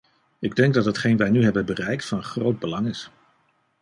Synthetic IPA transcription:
ɪɡdɛŋɡ̚dɑtɦətχejnʋɛjnyɦɛbənbərɛjk̚tfɑnχrowd̚bəlɑŋɪs

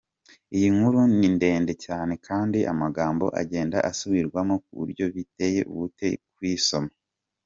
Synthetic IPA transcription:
ijiŋ̥huɾuninde̞ːnde̞caːne̞kʰaːndiʔa̰maɡaːmbo̞̰ʔa̰ɟe̞ːndaʔasuβiɾɡwamok̚ṵβṵɾɟo̞βite̞je̞̰ʔṵβute̞̰kwiːso̞ma

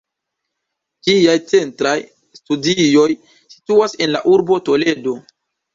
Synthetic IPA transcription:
d͡ʒiajt͡se̞ntɾaj | studio̞j | si̥tuase̞nla̰ʔuɾbo̞to̞le̞do̞

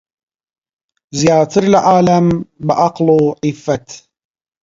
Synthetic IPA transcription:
zjaːt̪ʰɨɾlʕaːlambɪʔɑqluʕifːat̪

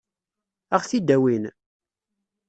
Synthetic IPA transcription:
æʁθid̪æwin

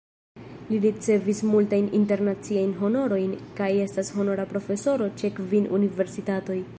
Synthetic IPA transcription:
liɾit͡se̞vismultajninte̞ɾnat͡siajnɦo̞no̞ɾo̞jnkaje̞stasho̞no̞ɾapɾo̞fe̞so̞ɾo̞t͡ʃe̞kvinunive̞ɾsitato̞j

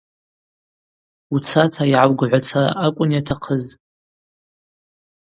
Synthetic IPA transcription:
ut͡sʰatʰaiʕawɡʕʷat͡sʰaakʷʼʊnjatʰaqʰəztʼ

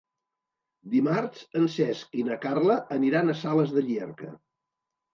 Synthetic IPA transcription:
d̪imaɾsənsɛskinəkarləʔːniɾanəsaləzðəʎiɛ̰ɾkə̰

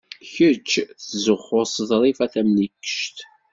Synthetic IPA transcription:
çət͡ʃːθzəχːʊsðˤɾˤifæθæmnikːə̥ʃt̪

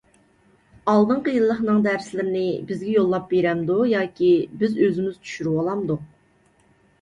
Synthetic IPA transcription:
ɑlˠd̪ɨɴqəjɨlˠːəχnɨŋd̪æɾslɪɾɪnɪbɪzɡʲɛjolˠːɑp̚beɾɛmd̪ujɑːkʲibɪzøzɪmyz̥t͡ʃʰy̥ʃyɾywɑlˠɑmd̪u

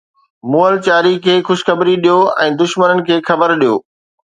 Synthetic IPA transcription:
muːəlt͡ɕaːɾikʰeːxʊʃxɐbɾiɗijoɛ̰̃ːd̪ʊʃmənənɪ̆kʰeːxɐbəɾɗijo̰ː

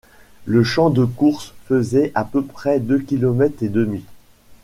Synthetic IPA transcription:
ləʃɑ̃d̪əkuʁsfəzɛʔapøpχɛd̪økʲilɔmɛt̪χed̪əmi

